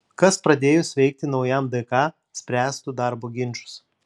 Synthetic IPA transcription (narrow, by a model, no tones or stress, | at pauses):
kɐspɾɐd̪ʲeːjʊsʲʋʲɛɪk̚t̪ʲɪnɒʊjɛmd̪ɐɪkɑː | sʲpʲɾʲæːst̪ud̪ɑˑɾboːɡʲɪnʲt͡ʃʊ̥s